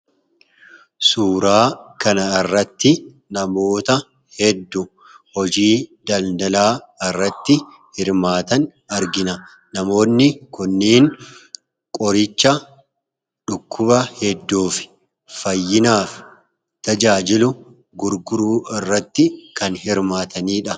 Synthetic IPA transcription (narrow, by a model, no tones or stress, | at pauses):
suːɾaːkɐnɐɪrːɐt̪ːɪ | nɐmo̞ːt̪ɐ | hɛd̪ːʊ | hɔd͡ʒiːd̪ɐld̪ɐlaː | ɪrːɐt̪ːɪ | hɪɾmaːt̪ɐn | ɐɾɡɪnɐ | nɐmo̞ːnːɪkʊnːiːn | kʼɔɾɪt͡ʃːɐ | ᶑʊkʰːʊbɐhɛd̪ːuːfɪ̥ | fɐjːɪnaːf | t̪ɐd͡ʒaːd͡ʒɪlʊ | ɡʊɾɡʊɾuːɪrːɐt̪ːɪkɐnhɪɾmaːt̪ʰɐniːᶑɐ